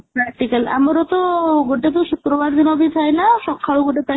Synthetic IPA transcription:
pɾɛkʈikela̰mɔɾɔt̪ɔɡoʈet̪ɔʃut̪ɾɔbaɾd̪inɔbit̪ʰajnaʃɔkʰːaɭuɡoʈet̪a

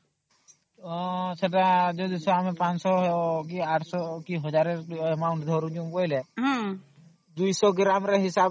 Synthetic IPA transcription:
səʈad͡ʒɔd̪isɔamepãt͡ʃsɔkiaːʈʰsɔkiɦɔd͡ʒaːɾemaʊɳʈd̪ʱɔɾũd͡ʒumboileɦ | d̪ujsɔɡɾamɾeɦɪsab

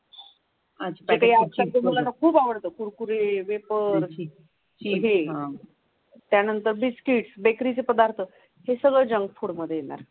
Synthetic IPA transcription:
at͡ɕapekaɦiapak̚d̪emulanəkʰuːpaʋəɽt̪əːkuɾkuɾeʋepəɾ | iɦeɦ | t̪janənt̪əɾbiskiːʈsbekɾit͡sepəd̪aɾt̪ʰə | hesəɡɭəd͡ʑəŋɡfuɽməd̪ʱːjejena̰ɾ

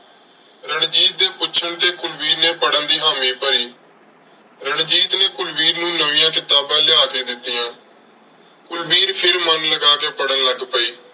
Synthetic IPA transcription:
ɾəɳd͡ʒiːt̪̚d̪eːpʊːt͡ʃʰəɳt̪eːkʊlbiːɾneːpəɽənd̪iːɦaːmĩːpəɾiː | ɾəɳd͡ʒiːt̪neːkʊlbiːɾnũːnəʋɪ̃jãːkɪt̪aːbãːlɪaːkeːd̪ɪt̪ːɪjãː | kʊlbiːɾpʰɪɾmənləɡaːkeːpəɽənləɡpəiː

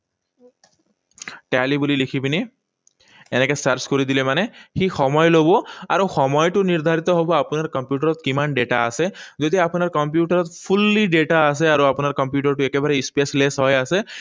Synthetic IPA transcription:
ʈalibulilikʰibini | ɛnɛkɛsaɹskoɹid̪ilɛmanɛxixɔmɔjlobɔa̰ɹuxɔmɔjtʊniɹd̪ʱaɹit̪ɔɦobɔapʊnaɹkɔmpjuʈaɹɔt̪kimanɖeʈa̰a̰sɛzod̪iapunaɹkɔmpjuʈaɹɔt̪pʰulːiɖeʈaːsɛaɹuapunaɹkɔmpjuʈaɹtʊɛkɛbaɹɛispeslesɦɔjasɛ

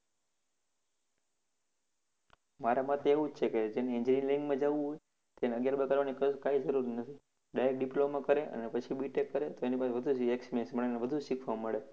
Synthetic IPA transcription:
maɾamat̪ʰeeʋũt͡ʃʰeked͡ʒeneĩɲd͡ʒɾiŋliŋɡmãd͡ʒaʋũɦoj | t̪eneəɡjaɾbəɡaɾʋanikəkaid͡ʒəɾuɾnət̪ʰi | ɖaek̚ɖiplomãkəɾeʔə̰nepət͡ʃʰibiʈekːəɾet̪oenipaseʋəd̪ʱueksmensməɭeneʋəd̪ʱuʃikʰʋamːəɭe

